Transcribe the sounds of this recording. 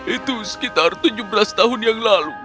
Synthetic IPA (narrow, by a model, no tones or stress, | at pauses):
ɪt̪usə̥kit̪art̪ɪɲd͡ʒʊbəɾast̪aɦʊnjaŋlalu